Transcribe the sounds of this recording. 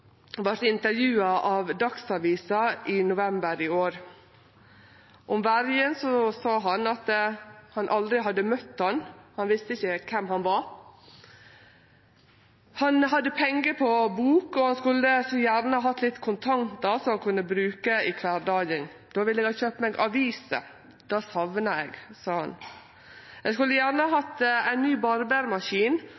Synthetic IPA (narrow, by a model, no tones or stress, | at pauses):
ʋɑɾt̪ɪnt̪əɾjʉːɑʔɑʋd̪ɑksɑʋiːsɑɪnʊʋɛmbəɾɪoːɾ | ʔɔmʋæɾjənsɔsɑːɦɑnɑt̪hɑnʔɑld̪ɾɪɦɑd̪ːəmœt̪ːhɑnhɑnʋɪst̪əɪçəkʰɛmɦɑnʋɑ | hɑnɦɑd̪ːəpʰɛŋɡəpʰɔbuːkɔhɑnskʉlːəsɔjæːɾnəhɑːɦɑt̪ːlɪt̪ːkʰʊnt̪ʰɑŋt̪̚d̪ɑsɔmɑnkʰʉnːəbɾʉːkəɪkʰʋæːɾdɑːɡɪŋ | d̪̥oːʋɪlːɛːɡɑçøːpəmɛɡʔɑʋiːsə̰ | d̪̥ɑːsɑʋnəɛɡsɑːhɑ̰n | ɛskʉlːəjæːɾnəhɑːɦɑt̪ːæɪnnyːbɑɾbæːɾmɑʂiːn